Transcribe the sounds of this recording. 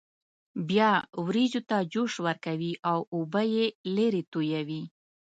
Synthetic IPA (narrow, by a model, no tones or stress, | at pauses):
bjɑwɾizot̪ad͡ʒoʃwəɾkawiʔawobəjeleɾet̪ojawi